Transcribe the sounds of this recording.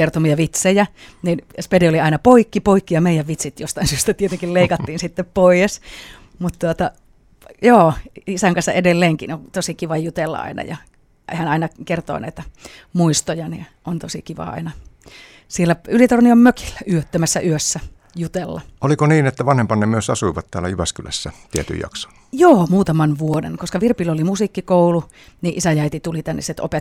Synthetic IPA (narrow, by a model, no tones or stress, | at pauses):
kert̪omiɑʋit̪sejæninspedioliɑinɑpoikːipoikːijɑmeijæʋʋit̪sit̪jost̪ɑinsyøst̪æt̪iet̪eŋkilleikɑt̪ːiːnsit̪ːeppoijes | mut̪t̪uot̪ɑ | joːisæŋkɑnsːɑʔedelːeːŋkinot̪osikiʋɑjut̪elːɑ̰ɑ̰inɑ̰jɑ̰ | ehænɑinɑkert̪o̰ːnɑ̰it̪æmuist̪ojɑnḭʔont̪osikiʋɑ̰ɑ̰inɑ | sielːæylit̪orniommøki̥lːæyøt̪ːømæsːæʔyøsːæ | jut̪elːɑolikoniːnet̪ːæʋɑnhempɑnːemyøsɑsuiʋɑt̪t̪æːlæjyʋæskylæ̰sːæt̪iæt̪y̰jjɑ̰kso̥ | joːmuːt̪ɑmɑnʋuodḛnkoskɑʋirpilolimusikːikoulu | niʔisæjæit̪it̪ulit̪ænːḛsit̪o̰pe